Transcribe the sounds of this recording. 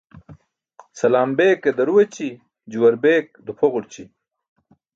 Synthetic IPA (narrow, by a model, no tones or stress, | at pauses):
sɐlaːmbeːked̪ɐɾuwet͡ɕi | d͡ʑuwɐɾbeːk̚d̪upʰoʁuɽt͡ɕi